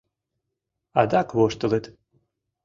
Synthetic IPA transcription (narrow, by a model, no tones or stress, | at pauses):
ad̪akβoʃt̪ə̆let̪